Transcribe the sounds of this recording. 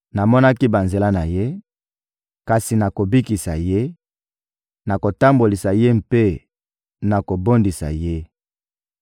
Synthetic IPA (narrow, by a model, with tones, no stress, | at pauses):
na˨mɔ˦na˦ki˦ba˨nze˨la˦na˨je˦ | ka˨si˨na˨ko˨bi˦ki˨sa̰˨je˦ | na˨ko˨ta˦mbo˨li˨sa˨je˦mpe˦ | na˨ko˨bo˦ndi˨sa̰˨je˦